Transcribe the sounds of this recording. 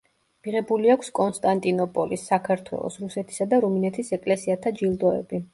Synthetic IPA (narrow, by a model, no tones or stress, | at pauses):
miʁɛbuliakʷʰskʼɔnst̪ʼant̪ʼinɔpʼɔlisːakʰaɾt̪ʰwɛ̰lˠɔ̰sɾusɛt̪ʰi̥sad̪aɾuminɛt̪ʰisɛkʼlɛsiat̪ʰad͡ʒilˠd̪ɔɛ̰bi